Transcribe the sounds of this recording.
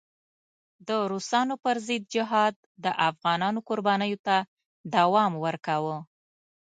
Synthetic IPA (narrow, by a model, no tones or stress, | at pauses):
d̪əɾusɑnopəɾzɪd̪̚d͡ʒɪɦɑd̪̚ːəʔafɣɑnɑnokʊɾbɑnəjot̪a | d̪awɑmwəɾkawə